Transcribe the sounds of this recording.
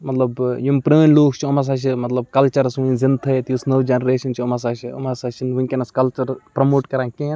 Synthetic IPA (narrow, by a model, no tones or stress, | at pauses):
mɐt̪lɐbjumpɾeːnloːkʰt͡ʃʰiomas̬aːt͡ʃʰimɐt̪lɐb̚kɐlt͡ʃɐɾɐsʋũzint̪ʰɐet̪iusnɐʋd͡ʒenɾeːʃɐnt͡ʃʰiomɐs̬aːt͡ʃʰio̰masaːt͡ʃʰinʋũnʲkʲenɐskɐlt͡ʃɐɾpɾɐmoːʈkɐɾãːnkʲẽn